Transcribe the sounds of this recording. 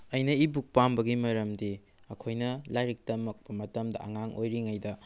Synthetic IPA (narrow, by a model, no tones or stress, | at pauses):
ɐjnɐibuk̚pambɐɡimɐɾɐmdi | ɐkʰojnɐlajɾik̚tɐmɐk̚pɐmɐtɐmdɐ̰ɐŋaŋʔojɾiŋajdɐ